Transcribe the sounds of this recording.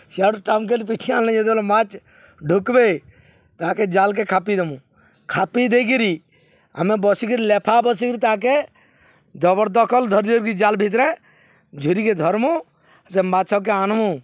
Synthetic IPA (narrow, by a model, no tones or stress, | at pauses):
siaɽuʈamkelipiʈʰialnɛ̃d͡ʒɛd̪lmat͡ʃ | ɖʱukbe | t̪aɦãked͡ʒalk̬ekʰapid̪emũ | kʰapid̪ekiɾi | a̰mɛbɔsikiɾilɛpʰabɔs̬ikɾit̪aãke | d͡ʒ̪ɔbɔɾd̪ɔkʰɔld̪ʱɔɾɾɡid͡ʒaːlbʱit̪̬ɾɛ̃ | d͡ʒʱuɾiked̪ʱɔɾmu | semat̪sʰɔk̬eanmũ